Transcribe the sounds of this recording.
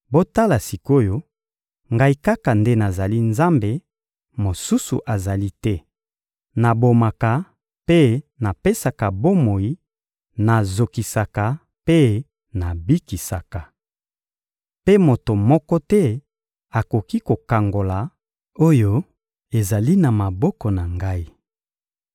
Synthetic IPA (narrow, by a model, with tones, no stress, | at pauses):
bo˦ta˦la˨si˨ko˦jo˦ | ŋɡa˨i˦ka˦ka˨nde˦na˨za˨li˦nza˦mbe˨ | mo˨su˦sṵ˨ʔa˨za˨li˦tɛ˦ | na˨bo˨ma˨ka˨ | pe˦na˨pe˦sa˨ka˨bo˦mo˨i˦ | na˨zo˨ki˨sa˨ka˨ | pe˦ | na˨bi˦ki˨sa˨ka˨ | pe˦mo˨to˨mɔ˦kɔ˦tɛ˦ | a˨ko˨ki˦ko˨ka˨ŋɡo˨la˨ | o˦jo˦ | e˨za˨li˦na˨ma˨bɔ˦kɔ˨na˨ŋɡa˦i˦